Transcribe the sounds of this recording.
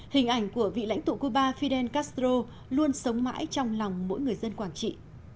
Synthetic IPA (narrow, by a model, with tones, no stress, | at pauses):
hï˨˩ŋ̟ʔa˧˩jŋ̟ku˧˩əvḭ˧˨la̰˧˥jŋ̟t̪ṵ˧˨ku˧ɓaː˧fi˧ɗɛ˧nkaː˦˥st̪ɾo˧ | lu˧ənsə˨˦wŋ͡mma̰ː˧˥jt͡ɕɔ˧wŋ͡mlɔ˨˩wŋ͡mmo̰˧˥jŋɨ˨˩əjzə˧nkwaː˧˩nt͡ɕḭ˧˨